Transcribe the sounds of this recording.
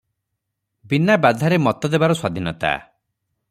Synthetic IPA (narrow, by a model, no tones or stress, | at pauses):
binabad̪ʱaɾemɔt̪ɔd̪ebaɾɔswad̪ʱinɔt̪a̰